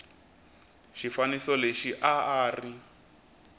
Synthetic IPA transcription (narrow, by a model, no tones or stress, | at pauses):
ʃifanisɔleʃiʔaaːri